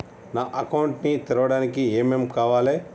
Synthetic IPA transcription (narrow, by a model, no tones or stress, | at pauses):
naːʔɐkɐwɳʈnit̪ɛɾɐʋɐɽaːnikieːmeːmkaːʋaːleː